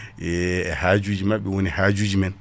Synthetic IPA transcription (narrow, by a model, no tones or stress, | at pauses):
ɛɛhaːd͡ʒud͡ʒimaɓːɛwonihaːd͡ʒud͡ʒimɛn